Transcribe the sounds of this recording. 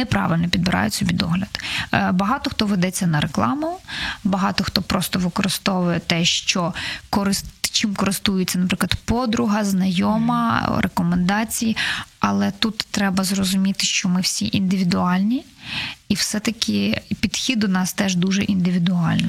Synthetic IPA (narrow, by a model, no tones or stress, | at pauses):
nɛpɾɑ̰ʋɪlʲnɔpʲid̪̚bɪɾʔɑ̰jʊtʲsʲɔbʲid̪ɔɦlʲɐd̪bɐɦɑt̪ɔxt̪ɔʋed̪ɛt͡sʲːɐnɐɾeklˠɑ̰mʊbɐɦɑt̪ɔxt̪ɔpɾɔst̪ɔʋɪkɔɾɪst̪ɔʋʊjɛt̪ɛʃt͡ʃɔkɔɾɪst͡ʃimkɔɾɪst̪ujɪt͡sʲːɐnɐpɾɪklˠɐd̪pɔd̪ɾʊɦɐznɐjɔmɐ̰ɾʔekɔmend̪ɑt͡sʲijiɐlˠɛt̪ut̪ːɾɛbɐzrɔzʊmʲit̪ɪʃt͡ʃɔmɪwsʲiʔind̪ɪʋʲid̪ʊɑlʲnʲi | iwsɛt̪ɐkʲɪpʲid̪̥xʲid̪ʊnɑst̪ɛʒd̪uʒɛʔind̪ɪʋʲid̪ʊɑlʲnɔ